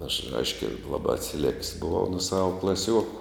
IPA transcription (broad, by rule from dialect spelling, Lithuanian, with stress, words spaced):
ɐʃ ˈɐɪʃʲkʲɛ ˈlˠɑːbɑː ɐtʲsʲɪˈlʲɛkʲsʲ bʊˈʋɐʊ nʊ ˈsɑːʋɐ klˠɐˈsʲuɔkʊ